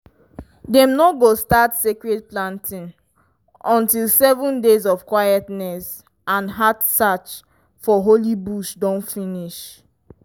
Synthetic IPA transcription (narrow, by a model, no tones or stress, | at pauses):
dɛ̃mnoɡostatsekɹed̚plãntʰĩn | ɔ̃ntilˠsɛvũndezɔfkwajɛtnɛs | ãnɦatsat͡ʃ | fɔɦolibuʃdɔ̃nfĩniʃ